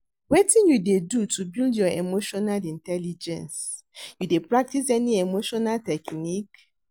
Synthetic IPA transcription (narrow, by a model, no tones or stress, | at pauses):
wetĩnjudedutubildjɔemoʃɔnalĩntɛlid͡ʒɛ̰̃nsjudepɹak̚tis̬ɛniemoʃɔnaltɛknik